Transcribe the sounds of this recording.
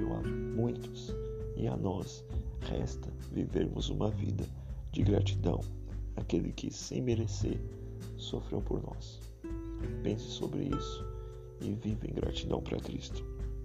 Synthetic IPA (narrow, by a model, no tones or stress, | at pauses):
ɐ̃w̃amũj̃t̪ʊ̥sɪanɔs | hɛst̪ɐ | viveɾmʊzũmɐvid̪ɐ | d͡ʒɪɡɾat͡ʃid̪ɐ̃w̃ | akelɪkʰɪsẽj̃meɾeseɾ | sofɾewpoɾnɔs | pẽsɪ̥sobɾɪisʊ̥ | ɪvivẽɡɾat͡ʃid̪ɐ̃w̃pɾɐkɾist̪ʊ̥